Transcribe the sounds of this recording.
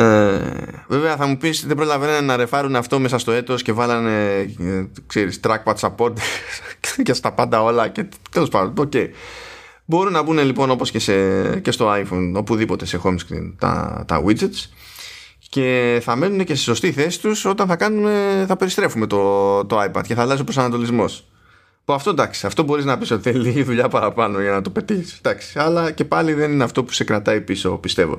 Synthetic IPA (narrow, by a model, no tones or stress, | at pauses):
e | ve̞veɐθɐmupisðebɾo̞lɐvenɐnenɐɾe̞fɐɾuneɐft̪o̞me̞sɐst̪o̞e̞t̪o̞sce̞vɐlɐne̞ | kse̞ɾist̪ɾɐk̚pɐt̪sɐpo̞ɾd̪e | cest̪ɐpɐnd̪ɐo̞lɐce̞t̪elospɐnd̪ooce̞i | bo̞ɾunɐbune̞lipo̞no̞po̞sce̞sece̞st̪o̞ajfono̞puðipo̞t̪e̞se̞xomskɾḭnt̪ɐ̰t̪ɐ̰wizet̪s | ce̞θɐme̞nune̞ce̞st̪i̥so̞st̪iθe̞si̥t̪uso̞t̪ɐnθɐkɐnume̞θɐpe̞ɾist̪ɾe̞fume̞t̪o̞t̪o̞ajpɐ̰d̪̥̚ceθɐlɐs̬o̞pɾsɐnɐt̪o̞lizmo̞s | puɐft̪o̞nd̪ɐksi̥ɐft̪o̞bo̞ɾiznɐpiso̞t̪iθeliiʝiðuʎɐpɐɾɐpɐno̞ʝɐnɐt̪o̞pe̞t̪içisd̪ɐksi̥ɐlɐce̞pɐliðe̞nineɐft̪o̞pu̥se̞kɾɐt̪ɐipiso̞̰pist̪e̞vo̞̰